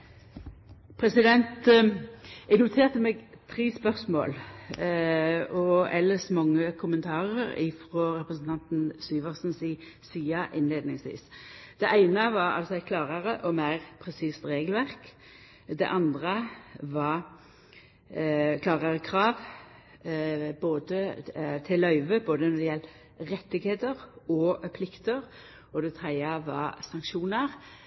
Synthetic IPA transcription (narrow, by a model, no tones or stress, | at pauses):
pʰɾɛsɪd̪ɛnt̪ | ɛɡnʊt̪ʰeːʁt̪əmɛɡ | t̪ʰɾiːspœʁsmo̰ːl | ɔɛlːəsmɑŋːəkʰʊmənt̪ʰɑːʁəɾɪ̰fɾɔɾɛpɾəsn̩t̪ʰɑnt̪nsyːʋəʁsnsiː | siːɑʔɪnleːd̪nɪŋsʋḭːsd̪̥ɛʔæɪnəʋɑɾɑ̰lsɔɪkʰlɑːʁəɾəʔɔmæɪʁpʰɾɛsiːst̪ɾeːɡəlʋæʁk | d̪ɛ̰ʔɑnd̪ʁəʋɑɾ | kʰlɑːʁəʁəkʰɾɑːʋ | boːd̪ət̪ʰɪlœʏʋəboːd̪ənɔd̪ɪjɛlt̪ | ɾɛt̪ːɪɡheːt̪əʁɔpʰlɪkt̪əʁ | ɔd̪ɛt̪ʰɾɛɪəʋɑ̰sɑŋkʃuːnəɾ